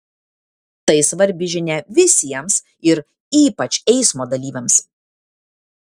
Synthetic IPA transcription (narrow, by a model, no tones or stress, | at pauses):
t̪ɐɪsʋɐɾʲbʲɪʒʲɪnʲɛʋʲɪsʲiɛms | ɪɾ | iːpɐt͡ʃʲɛɪsmoːd̪ɐlʲiːʋʲɛms